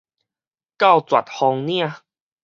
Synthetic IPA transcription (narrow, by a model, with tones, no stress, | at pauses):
ka˥˨wt͡swa̰˨˩t̚hɔ˧ŋnj̃ã˥˧˨